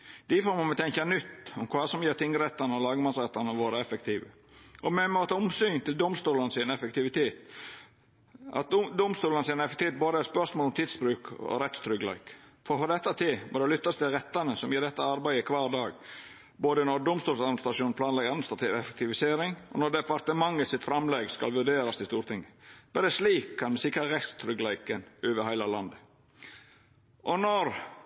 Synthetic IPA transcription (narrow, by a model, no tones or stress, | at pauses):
d̪̥ɪfɔɾmɑmɛt̪ʰɛŋkɑnʏt̪ːʊmkʰʋɑːsɔmjiːɾt̪ʰɪŋːəɾɛt̪ːɑnəɔlɑːɡəmɑnsɾɛt̪ːɑnəʋoːɾəɛfəkt̪ʰiːʋə | ɔmɛnmoːt̪ɑʊmsyːnt̪ɪld̪ʊmst̪uːlənsɪnɛfəkt̪ɪʋɪt̪ʰeːt̪ | ʔɑ̰t̪̚d̪ʊmst̪uːlənsɪnɛfɛkt̪ʰeːt̪̚boːd̪əæɾspœɾʂmoːlɔmt̪ʰɪːd̪sbɾʉːkɔ̰ɾɛt̪st̪ʰɾʏɡlæ̰ɪkfɔɾfɔd̪ɛt̪ːɑt̪ʰɪmʔɔ̰d̪ɛlʏt̪ːɑst̪ʰɪlɾɛt̪ːɑnəsɔmjiːɖ̪ɛt̪ːəɑɾbæɪəkʰʋɑːɾd̪ɑːɡ | boːd̪ənɔɖ̪ʊmst̪uːlsɑd̪mnst̪ɾɑʂuːnpʰlɑːnlɛɡ̪ɑd̪mnst̪ɾɑt̪ʰiːʋɛfɛk̚t̪ʰɪʋɪseːɾɪŋɔ̰nɔɖ̪ɛpɑɾt̪əmɑŋːəsɪt̪fɾɑmleːɡskɑ̰lʋʉɖeːɾɑst̪ʰɪst̪uːɾt̪ʰɪŋːəb̥ɛd̪ɛsliːkʰːɑnmɛsɪkːɾɑɾɛt̪st̪ʰɾʏɡlæɪkənøːʋəhæɪlɑlɑnd̪ə | ʔɔnɔɾ